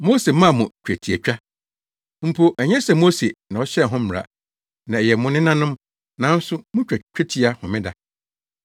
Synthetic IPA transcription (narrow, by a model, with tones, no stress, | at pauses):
mo˦se˨mã˦˨mʊ̃˨t͡ɕᶣæ˨tʰi˨æ˨t͡ɕᶣa˦ | m̩˨pʰo˨ʔɛ˨ɲɛ̃˦sɛ˨mo˦se˨nã˨ɔ˦ɕɛ˦˨ɦʊ̃˦m̩˨ɾa̰˨ | nã˨ɛ˨jɛ˨mʊ̃˦nɪ̃˦nã˦nʊ̃˦m | nã˨˦n̩˦sʊ˦mʊ̃˦t͡ɕᶣa˨t͡ɕᶣæ˦tʰi˨˦a˦hʊ̃˨mɪ̃˦da˨